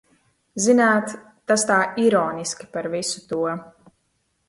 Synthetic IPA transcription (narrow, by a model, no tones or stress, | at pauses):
zinaːt̪ː | ast̪aːiɾɔːniskʲi̥paɾvisu̥t̪uɔ